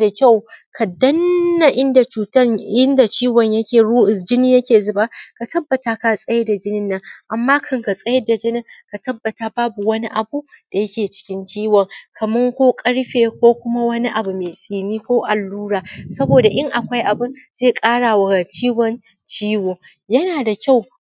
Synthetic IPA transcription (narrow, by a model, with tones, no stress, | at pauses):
da˨kʲa˦˨wkʰa˨dɐ˦nːa˨ʔɪ˦nda˨t͡ʃuː˨tɐ˦ɪ˦nda˨t͡ʃiː˦wɔ˨ɲjɐ˦e˨˦d͡ʒɪ˦niː˦jɐ˦kʲeː˨zʊ˨baː˦ka˨tɐ˦bːɐ˨ta˨ka˨sʼɐ˦je˦da˨d͡ʒɪ˦nɪ˦nːɐ˦ŋʔa˨mːaː˦kʰɐ˦ŋka˨sʼɐ˦jɐ˦da˨d͡ʒɪ˦nɪ˦ka˨tɐ˦bːɐ˨ta˨baː˦bu˨wɐ˦ni˦ʔa˨bu˦d̥a˨jɐ˦kʲeː˨t͡ʃɪ̥˦kʲɪ˦nt͡ʃiː˦wɔ˨ŋkʰa˨mʊ˦ŋkʷoː˦kʼɐ˦ɽɸeː˨kʷoː˦kʷʊ˦ma˦wɐ˦ni˦ʔa˨bu˨meː˨sʼiː˨niː˦kʷoː˦ʔa˨lːuː˦ɽaː˨sɐ˦boː˨da˨ʔɪ˦ŋʔa˨kʷa˦jʔa˨bʊ˦nz̥eː˦˨kʼaː˦ɽa˨wɐ˨ɡa˨t͡ʃiː˦wɔ˨n | t͡ʃiː˦woː˨ | jɐ˦naː˨da˨kʲa˦˨w